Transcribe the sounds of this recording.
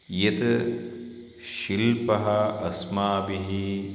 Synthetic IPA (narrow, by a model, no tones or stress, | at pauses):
jet̪ | ʃilpɐɦɐɐsmaːbiɦi